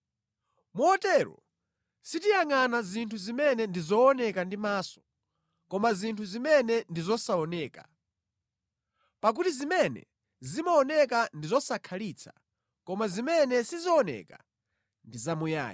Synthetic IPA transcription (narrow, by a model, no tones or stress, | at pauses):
muɔtɛɾɔ̰ | sitijaŋanazintʰuzimɛnɛndizɔːnɛkandimaːsɔ̥ | kɔmazintʰuzimɛnɛndizɔsaɔnɛːka | pak̬utizimɛnɛ̰ | zimaɔnɛk̬andizɔsakʰalit͡sʰḁ | kɔmazimɛnɛsizɔɔnɛ̰ka | ndizamuja̰ːji